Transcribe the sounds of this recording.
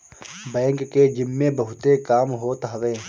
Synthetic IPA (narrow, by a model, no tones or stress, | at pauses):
bɛ̃ːŋkːed͡ʒɪmːebɐɦʊt̪ekaːmɦot̪ɦɐʋẽː